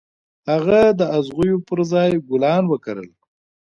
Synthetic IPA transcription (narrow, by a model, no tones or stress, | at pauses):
haɣad̪əazʁujopəɾzɑjɡʊlɑnwəkaɾə̰l